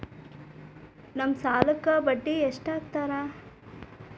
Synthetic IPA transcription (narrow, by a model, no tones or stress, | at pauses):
nɐmsaːlɐkːɐbɐɖːieʂʈaːɡ̚t̪aːɾa